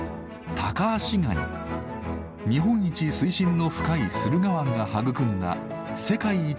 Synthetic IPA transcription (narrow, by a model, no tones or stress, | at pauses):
t̪ʰakaːɕiɡa̰ɲḭ | ɲ̟iɦõ̞ɲ̟ːit͡ɕisɨiɕĩnːo̞ɸɯ̟̥kaisɨɾɯ̟ɡaβãŋɡahaɡɯ̟kɯ̟̃nd̪a̰ | se̞kaiː